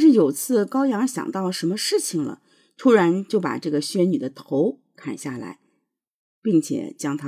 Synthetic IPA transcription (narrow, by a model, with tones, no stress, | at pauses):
ʂɻ̩˥˩jo˨˩ʊt͡sʰɹ̩˥˩kɑ˥ʊjɑ˧˥ŋɕjɑ̰˨˩ŋt̪ɑ˥˩ʊlə˩ʂə˧˥mə˧ʂɻ̩˥˩t͡ɕʰi˨˩ŋlə̰˩ | t̪ʰu˥ɻa˧˥nt͡ɕjo˥˩ʊpa̰˨˩ʈ͡ʂɤ˥˩ɡə˩ɕɥɛ˥ny˨˩d̪ə˦t̪ʰo˧˥ʊ | kʰa˨˩nɕja˥˩la̰˧˥ɪ | pi˥˩ŋt͡ɕʰjɛ̰˨˩t͡ɕjɑ˥ŋt̪ʰa˥